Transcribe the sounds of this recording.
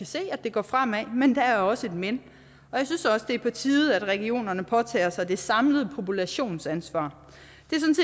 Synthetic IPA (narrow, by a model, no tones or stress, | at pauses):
æse̝̰ːæ̥d̥e̝ɡ̥ɒ̰ːfʁam̰æmend̥ææɐɒ̽səe̝d̥men | ɒ̽jɑ̈ɪsynsɒ̽səd̥e̝ɐpʰɒ̽t͡sʰiːð̩ˠæd̥ʁɛɡ̥io̝̰ːnɐnəpʰɒ̽t͡sʰɛ̰ːɐsɑ̈ɪd̥e̝sɑ̈mləð̞̩ˠpʰo̝pulæɕo̝̰ːnsænsʋɑ̰̈ː | d̥e̝sɒ̽n̩se